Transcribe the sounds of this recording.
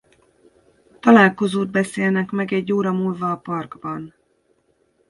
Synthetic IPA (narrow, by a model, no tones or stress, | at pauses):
t̪ɒlaːlko̞zoːd̪̚bɛseːlnɛkmɛɡɛɟːoːɾɒmuːlvɒːpɒrɡbɒn